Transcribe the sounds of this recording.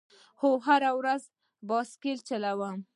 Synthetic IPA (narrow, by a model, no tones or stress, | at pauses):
xoɦaɾawɾaz | bɑskelt͡ʃalawəm